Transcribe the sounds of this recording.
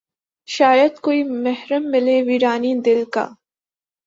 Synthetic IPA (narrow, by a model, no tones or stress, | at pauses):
ʃaːjəd̪koːimɛɦɾəmːɪleʋiːɾaːnid̪ɪlka̰ː